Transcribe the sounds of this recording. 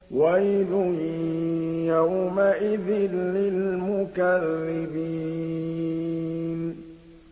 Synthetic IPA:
wajlʊ | jawmaʔɪðɪnːɪlmʊkalːɪbi | n

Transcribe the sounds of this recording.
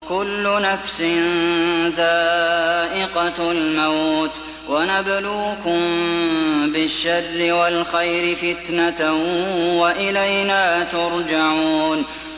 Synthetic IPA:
kʊlːʊnafsɪnðaːʔɪqɑlmat̪ | wanabluːkʊm | bɪʃːarːɪwalxajɾɪfɪt̪na | waʔɪlajnaːt̪ʊɾd͡ʒaʕuːn

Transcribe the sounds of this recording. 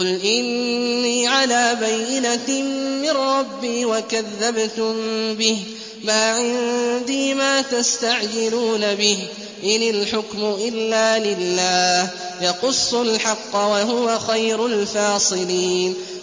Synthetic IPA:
ʊlʔɪnːiːʕalaːbajːɪnamɪnɾˤɑbːiːwakaðːabt̪ʊmbɪh | maːʕɪnd̪iːmaːt̪ast̪aʕd͡ʒɪluːnabɪh | ʔɪnɪlħʊkmʊʔɪlːaːlɪlːaːh | jɑqʊsˤːʊlħɑqːɑwaɦʊwaxajɾʊlfɑːsˤɨliːn

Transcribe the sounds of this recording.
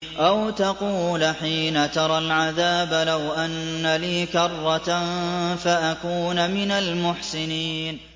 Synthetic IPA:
ʔawt̪ɑquːlħiːnat̪ɑɾˤɑlʕaðaːbalawʔanːaliːkɑrˤːɑt | faʔakuːnamɪnalmʊħsɪniːn

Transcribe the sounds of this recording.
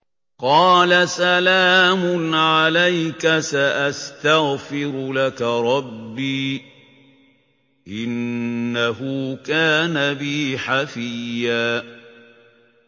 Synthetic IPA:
qɑːlasalaːmʊnʕalajkasaʔast̪aɣfɪɾlakaɾˤɑbːiː | ʔɪnːaɦʊkaːnabɪħafɪjːaː

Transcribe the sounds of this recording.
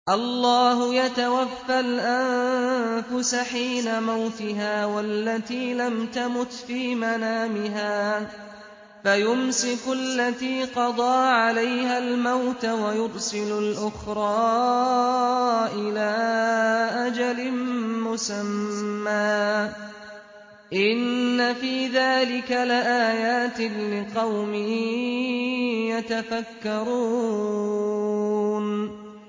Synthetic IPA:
ʔɑlːɑːhʊjat̪awafːalʔan | fʊsaħiːnamawt̪ɪɦaːwalːat̪iːlamt̪amʊt̪fiːmanaːmɪɦaː | fajʊmsɪkʊalːat̪iːqɑd̪ˤɑːʕalajɦalmawt̪awajʊɾsɪlʊlʔʊxɾˤɑː | ʔɪlaː | ʔad͡ʒalɪmʊsamːaː | ʔɪnːafiːðaːlɪkalɪʔaːjaːt̪ɪnlɪqɑwmɪ | jat̪afakːɑɾˤuː | n

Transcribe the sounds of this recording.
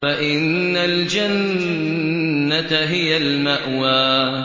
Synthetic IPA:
faʔɪnːald͡ʒan | at̪ɦɪjalmaʔwaː

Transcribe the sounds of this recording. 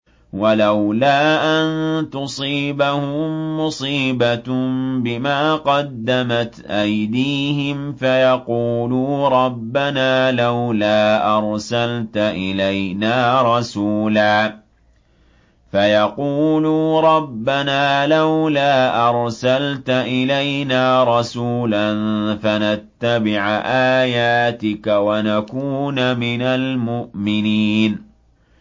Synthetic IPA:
walawlaːʔant̪ʊsˤiːbahʊːʊsˤiːbabɪmaːqɑd̪ːamat̪ʔajd̪iːhɪmfajɑquːluːɾˤɑbːanaːlawlaːʔɑɾˤsalt̪aʔɪlajnaːɾˤɑsuːlaː | fajɑquːluːɾˤɑbːanaːlawlaːʔɑɾˤsalt̪aʔɪlajnaːɾˤɑsuːlanfanat̪ːabɪʕʔaːjaːt̪ɪkawanakuːnamɪnalmʊʔmɪniːn

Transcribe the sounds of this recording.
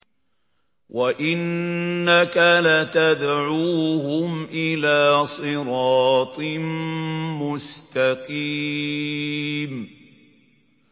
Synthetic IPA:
wʔaʔɪnːakalat̪ad̪ʕuːhʊmʔɪlaːsˤɨɾɑːt̪ˤɨmmʊst̪aqiː | m

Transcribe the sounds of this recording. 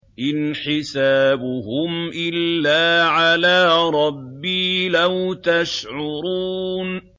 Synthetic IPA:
ʔɪnħɪsaːbʊɦʊmʔɪlːaːʕalaːɾˤɑbːiːlawt̪aʃʕʊɾuːn

